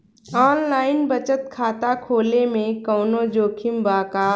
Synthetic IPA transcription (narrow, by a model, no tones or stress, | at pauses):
ɔːnlaːɪnbət͡ʃət̪kʰaːt̪akʰoːlemẽkəːnod͡ʒoːkʰɪmbaːka